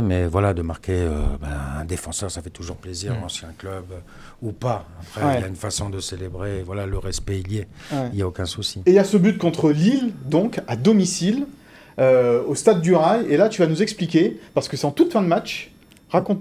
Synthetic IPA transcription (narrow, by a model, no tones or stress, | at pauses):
mɛvwalad̪əmaʁkʲeø̰baɛ̰̃d̪efɑ̃sœʁsafɛt̪uʒuʁpleziʁɑ̃sjɛ̃klœb | upaapχɛiɛjaynfasɔ̃d̪əselebʁevwalaləʁɛspɛiljewɛiljaokʲɛ̃susiejasəbyt̪̚kɔ̃t̪χəlild̪ɔ̃kad̪ɔmisil | øost̪ad̪ːyʁajelat̪yvanuzɛksplikʲepaʁsə̥kəsɛɑ̃t̪ut̪fɛ̃d̪əmat͡ʃ | ʁakɔ̃t̪